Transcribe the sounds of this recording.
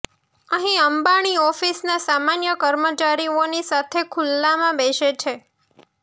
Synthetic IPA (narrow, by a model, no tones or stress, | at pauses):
əɦĩəmbaɽ̃iɔfisnasamanjəkəɾmət͡ʃaɾionisat̪ʰekʰulːamãbeʃet͡ʃʰe